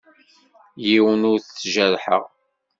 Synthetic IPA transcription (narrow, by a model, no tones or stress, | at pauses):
jiwənʊɾθʒəɾħə̰ʁ